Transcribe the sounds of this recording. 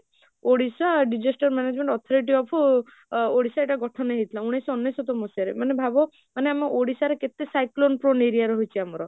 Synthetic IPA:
oɽisaɖid͡ʒesʈɔɾmɛned͡ʒmẽɳʈɔt̪ʰɔɾiʈ̬iɔpʰ | oɽisaeʈaɡɔʈʰɔneɦet̪ʰilauɽ̃esɔɔnːesɔt̪ɔmosaɾemanebʱabɔ | maneamɔʔoɽisaɾeket̪esajklonpɾoneɾiaɾɔɦojt͡ʃʰiamɔɾɔ

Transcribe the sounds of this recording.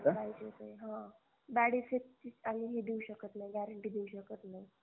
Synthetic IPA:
paɦid͡ʑt̪eɦã | bæɽesett͡ɕiamiɦed̪euɕəkət̪najɡæɾəɳʈiːd̪euɕəkət̪naj

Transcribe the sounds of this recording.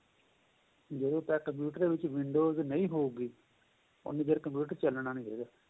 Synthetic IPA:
d͡ʒəd̪õːt̪ɛ̃ːkəmpjuːʈəɾeːʋɪt͡ʃʋɪɳɖoːznəĩːɦoːɡiː | ʊ̰nːĩːd͡ʒ̪əɾkəmpjuːʈ̬əɾt͡ʃəlɳaːnĩːḛːɡ̪aː

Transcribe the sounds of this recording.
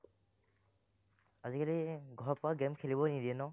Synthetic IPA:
azikaliɡʱɔɹpaɡɛmkʰelibɔnid̪iɛnɔ

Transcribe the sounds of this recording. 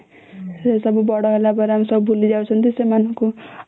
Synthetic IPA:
esʌbʌbʌɽʌɦelaʌbʌɾamsʌbbʱulːid͡zawt͡sʰʌnt̪usemanko

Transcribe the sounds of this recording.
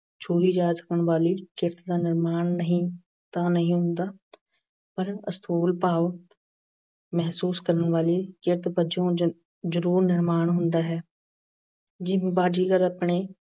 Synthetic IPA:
t͡ʃʰoːɦiːd͡ʒaːsə̥kəɳʋaːliːkɪɾt̪d̪aːnɪɾmaːnnəɦĩː | t̪ãːnəɦĩːɦʊ̃nd̪aː | pəɾənə̰st̪ʰuːlpaːʋ | mɛɦsuːskəɾənʋaːliːkɪɾt̪bəd͡ʒõː | zəɾuːɾnɪɾmaːɳɦʊ̃nd̪aːɦɛː | d͡ʒɪmbaːd͡ʒiːkəɾəpɳeː

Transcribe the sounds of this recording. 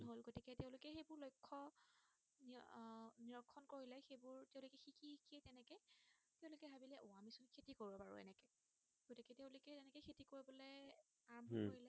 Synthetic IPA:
lɦolɡotikɛtẽʊ̃lʊkɛxejbʊɹlojkʰːɔ | niɹɔkʰːɔnkoɹilɛxejbʊɹteʊ̃lʊkɛxikʰiikʰiɛtɛnɛkɛ | teʊ̃lʊkɛbʱabilɛʔʊamisukʰetikoɹibɔpaɹʊ̰ɛ̰nɛkɛ | ɡ̥otikɛteʊ̃lokɛzɛnɛkɛxʰetikoɹibɔlɛ | amɦoɹilɛ

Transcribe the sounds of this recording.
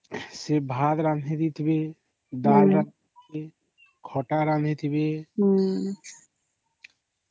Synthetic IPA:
sebʱaːd̪ɾaːned̪it̪ʰbe | d̪aːlɾa | e | kʰɔːʈaɾãnet̪ʰibe

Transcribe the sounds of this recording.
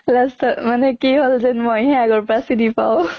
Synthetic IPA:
last̪ɔmanɛkiɦolzɛnmɔjɦɛ̃aɡɔɹpɹasinipaw

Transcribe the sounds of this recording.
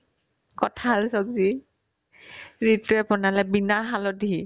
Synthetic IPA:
kɔtʰalsɔɡzi | ɹitːʊɛpɔnalɛbinaɦalɔdiɦi

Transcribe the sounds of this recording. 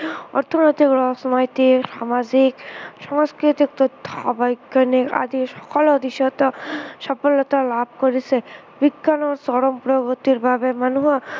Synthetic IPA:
ɔ̰ɾt̪ʰɔnojt̪ikɾɔsnɔjt̪ikʃamad͡ʒikʃɔŋskɾit̪ik̚t̪ɔt̪ʰːɔɔ̰bɔjɡjanika̰d̪iʃɔkɔlɔd̪iʃɔt̪ɔʃɔpɔlːɔt̪alab̚ʱkoɾisʰe | biɡːanɔɾsɔɽɔmpɾɔɡot̪iɾbʱabemanuɦɔ

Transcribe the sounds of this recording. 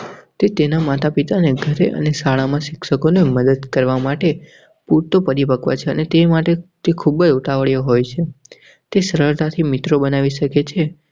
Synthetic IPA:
t̪et̪enamat̪apit̪aneɡʱəɾeʔə̰nesaɭamãʃɪkʃəkoneməd̪əd̪kəɾʋamaʈe | puɾt̪opəɾibəkʋa̰t͡ʃʰeənet̪emaʈet̪ekʰubəd͡ʒut̪aʋəɭjoɦojt͡ʃʰe | t̪esəɾəɾd̪ʱat̪ʰimɪt̪ɾobənaʋiʃəket͡ʃʰe

